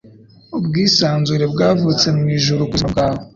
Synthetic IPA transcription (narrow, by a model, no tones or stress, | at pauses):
obɡiːsaːnzuɾebɡaːvut͡se̞mumiʒuɾukuzbɡaːβo